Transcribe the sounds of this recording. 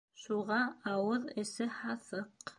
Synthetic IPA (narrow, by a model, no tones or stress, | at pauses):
ʃuʁɑɑwɤðɘ̆sɘhɑθɤq